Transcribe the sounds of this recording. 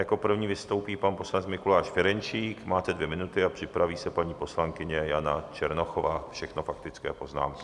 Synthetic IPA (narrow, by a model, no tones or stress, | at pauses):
jako̞pr̩vɲiːvɪst̪o̞wpiːpanpo̞slanɛt͡smɪkulaːʃfɛɾɛnt͡ʃiːkmaːt̪ɛdvjɛmɪnut̪ɪapr̥ɪpɾaviːsɛpaɲiːpo̞slaŋkɪɲɛjana̰t͡ʃɛɾnoxovaːfʃɛxnofak̚t̪ɪt͡skɛ̰ːpo̞zna̰ːmkɪ